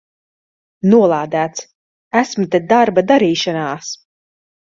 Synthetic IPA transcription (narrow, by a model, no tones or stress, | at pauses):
nuɔlˠaːd̪æːt̪s | æsmɨt̪ɛd̪aɾbad̪aɾiːʃanaːs